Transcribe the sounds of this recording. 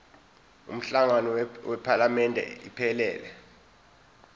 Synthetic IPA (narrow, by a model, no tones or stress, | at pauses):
ṵm̩ɬaŋanɔwɛpʰalamɛndʱɛ̰ipʰɛlɛːlɛ